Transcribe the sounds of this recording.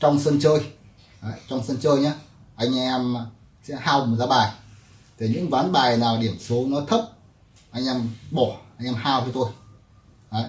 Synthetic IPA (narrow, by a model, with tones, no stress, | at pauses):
t͡ɕɔ˧wŋ͡msə˧nt͡ɕəː˧j | aː˨˦t͡ɕɔ˧wŋ͡msə˧nt͡ɕəː˧jɲaː˨˦ | ʔa˧jŋ̟ʔɛ˧m˨˧ | sɛ̰˧˥haː˧wm˨˩t̚zaː˨˧˦ɓaː˨˩j | t̪ʰi˨˩ɲɨ̰˧˥ŋvwaː˨˦nɓaː˨˩jnaː˨˩wɗi˧˩əmsu˨˦nɔ˨˦t̪ʰə˦˥p̚ | ʔa˧jŋ̟ʔɛ˧mɓɔ˧˩ʔa˧jŋ̟ʔɛ˧mhaː˧wt͡ɕɔ˧t̪o˧j | aː˨˦